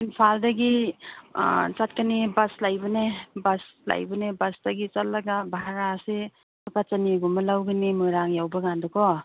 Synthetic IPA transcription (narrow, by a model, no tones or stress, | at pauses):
inpʰaldaɡḭ | t͡ʃat̚kanibaslajbɯnebasla̰jbɔnebasdaɡit͡ʃalːaɡabaɦaɾase | pat͡ʃaniɡumalawɡinimujɾaŋjawbaɡandɔkʰɔ